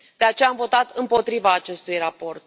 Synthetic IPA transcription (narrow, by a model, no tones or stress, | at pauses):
d̪̥e̞at͡ʃe̞jaːmvo̞t̪at̪ɨmpo̞t̪ɾivaːt͡ʃe̞st̪ujrapo̞rt̪̚